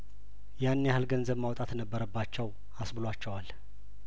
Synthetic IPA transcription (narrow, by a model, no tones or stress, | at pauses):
janːjahalɡənzəβmawt̪ʼat̪nəbːəɾəbːat͡ʃːɛw | asbɨlwat͡ʃːɛwal